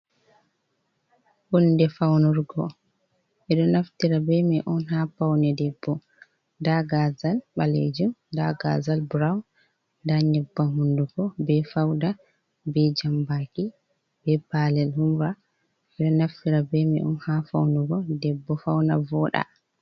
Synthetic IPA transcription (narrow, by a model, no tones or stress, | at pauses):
ʔɔndɛfawnuɾɡɔ | ʔɛɗɔnaftiɾabɛmɛʔɔnɦafawnɛdɛbːɔ | daɡazalɓalḛd͡ʒumdaɡa̰zalbuɾawn | ndaɲɛbːaɦunduɡɔbɛfawda | bɛd͡ʒambaki | b̥ɛbalɛlhumɾa | ʔɛɗɔnaftiɾabɛmɛʔɔ̰nhafawnuɡɔdɛbːɔfawnavɔɗa̰